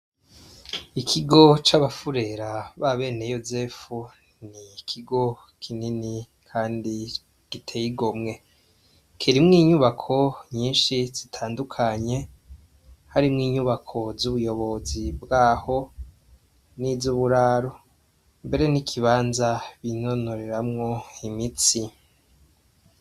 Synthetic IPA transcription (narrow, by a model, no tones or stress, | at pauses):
ikʰiɡo̞t͡ʃaβafuɾe̞ɾaβaβe̞ːne̞jo̞zefu | nikʰiɡo̞ | kʰinini | kʰaːndi | ɡ̥itʰejiɡomŋe̞ | kʰiɾimŋiːɲuβakʰo̞ɲiːnʃiz̥itʰaːndukʰaɲe̞ | haɾimŋiːɲuβakʰo̞zuβujo̞βo̞zibɡaːho̞ | nivzuβuɾaːɾo̞ | mbe̞ɾe̞nikʰiβaːnzaβino̞no̞ɾe̞ɾamŋo̞imit͡si